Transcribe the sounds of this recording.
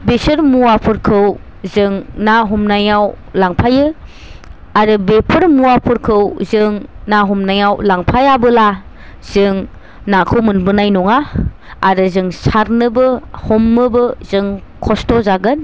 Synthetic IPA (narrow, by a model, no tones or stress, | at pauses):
besɯɾmuwapʰɯɾkʰɯw | zɯŋnaɦumnajaw | laŋpʰajɯ | aɾɯbepʰɯɾmuwapʰɯɾkʰɯwzɯŋnaɦumnajawlaŋpʰajabɯla | z̥ɯŋ | nakʰɯwmɯnbɯnajnɔŋaː | ɾɯzɯŋsaɾnɯbɯhomnɯbɯzɯŋkʰɔstɔzaɡɯn